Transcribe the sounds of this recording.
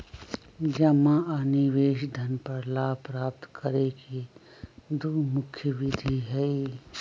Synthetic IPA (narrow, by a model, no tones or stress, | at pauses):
d͡ʒɐmãaniʋeːʃd̪ʱɐnpɐɾlaːpɾaːpt̪kʰəɾeke | d̪umʊkʰːjəʋɪd̪ʱiɦɛi